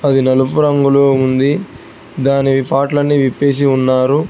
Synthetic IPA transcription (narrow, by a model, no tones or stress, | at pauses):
ɐd̪inɐlupuɾɐŋɡuloːund̪i | d̪aːniʋipaːʈlɐnːiʋipːeːs̬iunːaːɾu